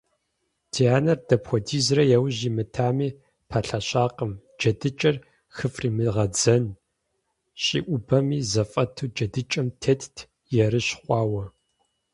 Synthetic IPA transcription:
tʰijaːnɐrdɐpxʷɔdiːzrɐjɛwʑimɨtʰaːmiː | pʰɐɬɐɕʼaːqəm | d͡ʒɐdɨt͡ʃʼɐr | xɨfriːmɨʁɐd͡zɐn | ɕʼḭːʔʷʊbɐmiːzɐfʼɐtʰuːd͡ʒɐdɨt͡ʃʼɐmtʰetʰtʰ | jɛɾɨɕχʷɑːwɐ

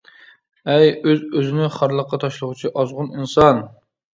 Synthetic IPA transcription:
ɛjøzøzɪnɪχɑɾlˠəqːɑt̪ʰɑʃlˠəʁʊt͡ʃʰiʔɑzʁʊninsɑn

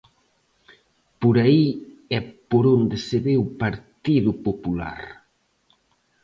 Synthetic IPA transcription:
poɾaiɛpoɾond̪eseβewpaɾt̪iðʊpopula̰ɾ

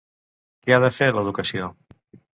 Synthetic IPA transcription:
keaðəfeɾləðukəsio

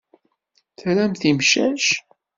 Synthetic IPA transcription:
θɾæmθimʃæʃ

